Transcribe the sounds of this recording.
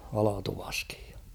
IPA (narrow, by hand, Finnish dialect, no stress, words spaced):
ɑlɑtuʋɑski̥j̊ j̊ɑ̥